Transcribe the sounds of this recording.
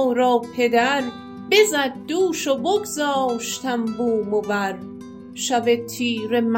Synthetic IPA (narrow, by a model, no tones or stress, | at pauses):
ɾɒːpʰe̞d̪æɾ | be̞zæd̪̚ːuːʃoboɡzɒːʃt̪ʰæmbuːmobæɾ | ʃævet̪ʰiːɾem